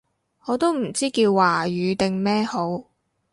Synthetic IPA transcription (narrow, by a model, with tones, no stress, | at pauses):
ŋɔː˨˧t̪o˥wm̩˨˩t͡siː˥kiː˧wːaː˨˩jyː˨˧t̪ɪ˨ŋmɛː˥ho˨˥w